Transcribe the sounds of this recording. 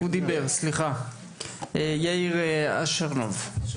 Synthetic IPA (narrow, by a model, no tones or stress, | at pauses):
ud̪ibeʁsliχa | ejaiʁea̰ʃaʁno̰v